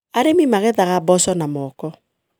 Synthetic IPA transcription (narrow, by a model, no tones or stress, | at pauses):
aɾemimaɣɛðaɣabɔsɔnamɔkɔ